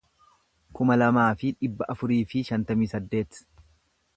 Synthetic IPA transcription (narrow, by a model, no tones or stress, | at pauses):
kʊmɐlɐmaːfɪᶑɪbːɐʔɐfʊɾiːfɪʃɐnt̪ɐmiːsɐd̪ːe̞ːt̪